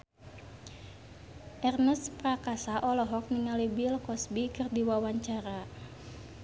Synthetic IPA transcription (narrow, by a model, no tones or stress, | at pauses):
ʔɛrnəsprakasaʔɔlɔɦɔk̚niŋalibilkɔsbikɨrdiwawaɲt͡ʃaɾa